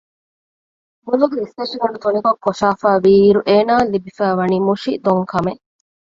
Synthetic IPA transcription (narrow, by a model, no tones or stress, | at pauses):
muluɡeist̪eʃiɡɐɳɖut̪unikokːoʃaːfaːʋiːiɾuʔeːnaːlibifæːʋɐniːmuʃid̪oŋkʰɐmeʔ